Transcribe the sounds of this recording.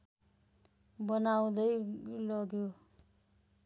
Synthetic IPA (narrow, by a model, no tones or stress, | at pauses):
bʌnaw̃d̪ʌjlʌɡjo